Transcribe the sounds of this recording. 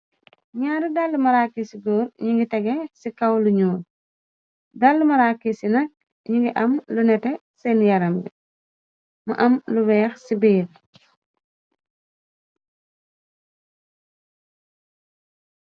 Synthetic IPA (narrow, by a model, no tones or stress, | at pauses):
ɲaːɾudalːumɐɾakːisiɡɔːɾɲuŋɡitɛɡɛsikɐwluɲuːɾ | dalːumɐɾaːkːisinɐk̚ | ɲiŋɡiʔɐmlunɛtɛ | sɛnjɐɾɐmbi | mɐ̰ʔɐmluwɛːxsibiːl